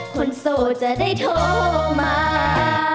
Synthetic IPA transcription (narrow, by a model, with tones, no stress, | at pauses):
kʰo˧nsoː˨˩t͡ɕa˧˩ʔda˥˩jt̪ʰo˧˥maː˧˦